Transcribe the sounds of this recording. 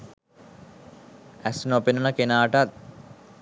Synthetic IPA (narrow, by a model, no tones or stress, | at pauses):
æsnopenənəkenaːʈat̪̚